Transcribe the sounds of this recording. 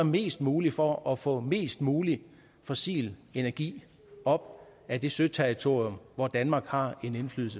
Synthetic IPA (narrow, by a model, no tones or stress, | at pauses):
æɐme̝̰ːsd̥muːlifɒ̽ʔɒfɔ̰̽ːme̝̰ːsd̥muːli | fɔsḭːle̝næɐɡ̥ḭː | ɒ̽b̥ | æd̥e̝sø̥t͡sʰeʁit͡sʰo̝ɐ̰ijɔmʋɒd̥ænmɑ̈ːɡ̥hɑ̈e̝ne̝nfly̰ːð̩ˠsə